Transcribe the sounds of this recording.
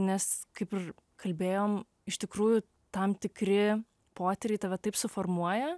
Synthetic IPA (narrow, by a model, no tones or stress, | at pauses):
nʲɛskɐɪpɪr | kʰɐlʲbʲeːjoːm | ɪʃt̪ʲɪkɾuːjʊ | t̪ɐmt̪ʲɪkɾʲɪ | poːt̪ʲɛɾʲɛɪt̪ɐʋʲɛt̪ɐɪpsʊformuɔjɛ